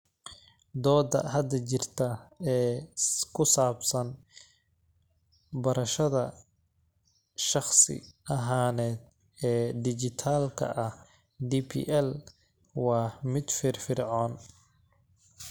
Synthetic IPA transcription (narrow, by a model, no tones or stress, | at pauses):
d̪ɔːd̪ɐ̰hɐd̪ɐt͡ʃɪrt̪ʰɐɛːkʰʊsaːbsɐn | bɐɾɐʃɐðɐ | ʃɑχsɪ̰ɐɦaːnɛːd̪ | ɛːd̪ɪt͡ʃɪt̪ʰaːlkʰɐ̰ʔɐh | d̪ipʰḭːʔɛl | wɑːmɪd̪fɪrfɪrʕɔːn